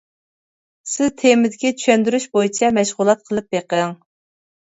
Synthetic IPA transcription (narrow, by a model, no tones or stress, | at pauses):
sɪzt̪ʰemɪd̪ɪkʲit͡ʃ̪ʰy̥ʃɛnd̪yɾyʃbojit͡ʃʰɛmɛʃʁʊlˠɑt̪̚qʰəlˠɨp̚beqəŋ